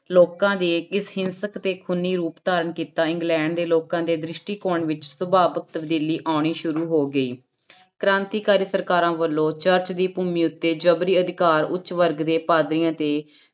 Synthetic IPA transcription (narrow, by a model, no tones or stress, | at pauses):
loːkãːd̪eːɪsɦɪnsəkt̪eːkʰʊniːɾuːpt̪aːɾəɳkiːt̪aːɪ̃ŋɡlɛ̃ːɳɖd̪eːloːkãːd̪eːd̪ɾɪʃʈiːkoːɳʋɪt͡ʃsʊbaːbək̚t̪əbd̪iːliːʔaːɳ̃iːʃʊɾuːɦoːɡəiː | kɾãːnt̪iːkaːɾiːsəɾkaːɾãːʋəlːõːt͡ʃəɾt͡ʃd̪iːpuːmiːʊt̪ːeːd͡ʒəbɾiːəd̪ɪkaːɾʊ̰tːt͡ʃʋəɾɡd̪eːpaːd̪ɾɪjãːt̪eː